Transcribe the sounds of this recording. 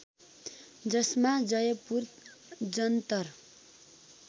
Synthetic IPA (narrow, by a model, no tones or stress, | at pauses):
d͡zʌsmad͡zʌjʌpur | d͡zʌnt̪ʌr